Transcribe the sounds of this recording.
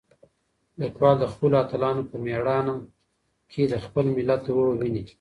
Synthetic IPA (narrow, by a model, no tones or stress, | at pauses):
lɪkwɑld̪əxpəloat̪əlɑnopəmeɽɑna | kʰed̪əxpəlmɪlat̪wəwini